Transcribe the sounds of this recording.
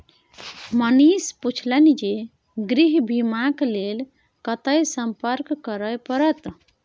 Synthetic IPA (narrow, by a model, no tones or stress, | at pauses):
mənisput͡ʃʰlənid͡ʒe | ɡɾiɦbʱimaklel | kət̪əjsəmpəɾkːəɾəjpəɾət̪